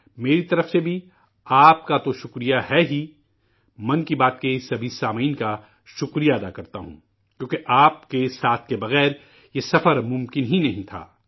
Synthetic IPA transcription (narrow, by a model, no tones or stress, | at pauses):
meːɾit̪ɐɾəfsebʱi | aːp̚kat̪oʃʊkɾijaɦɛɦi | mɐ̃nkibaːt̪̚kesɐbʱisaːmiːnka | ʃʊkɾijaɐd̪akɐɾt̪a̰ɦṵ̃ | kjõːkeʔaːp̚kesaːt̪ʰkebɐɣɛːɾ | jesɐfəɾmʊ̃mkɪnɦinɐɦĩt̪ʰa̰ː